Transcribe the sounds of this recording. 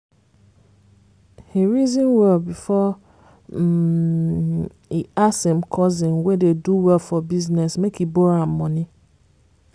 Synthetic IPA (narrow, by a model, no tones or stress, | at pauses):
heɹizĩnwɛlbifɔ | iasɛ̃mkʰɔzɪ̃nwɛdeduwɛlfɔbiznɛsmekʰiboɾamːɔ̃nɪ̃